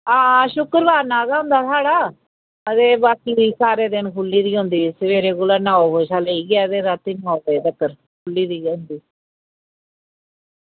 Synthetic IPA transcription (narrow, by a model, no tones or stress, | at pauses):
aːʃʊkəɾbaːɾnaːɡaːɦʊ̃nd̪aːsaːɽaː | ət̪eːbaːkiːʋiːsaːɾeːd̪ɪnkʰʊlːiːd̪iːɦʊ̃nd̪iːsəʋeːɾeːɡʊlaːnaːoɦoːʃaːləiːɡaːət̪eːɾət̪inaːot̪eːd̪əkːəɾ | kʰʊlːiːd̪iːʊ̃nd̪iː